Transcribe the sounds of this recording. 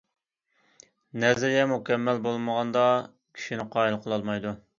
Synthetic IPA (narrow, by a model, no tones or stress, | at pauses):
nɛzɪɾjɛmukʲɛmːælbolˠməʁɑnd̪ɑ | kʲʰi̥ʃinɪqʰɑːilˠqʰəlˠɑlˠmɑjd̪u